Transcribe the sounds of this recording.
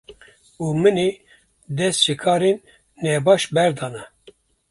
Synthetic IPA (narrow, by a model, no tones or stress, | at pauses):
uːmɨne | d̪ɛst̪t͡ʃɨkʰɑːɾenː | ɛbɑːʃbɛɾd̪ɑːnɛ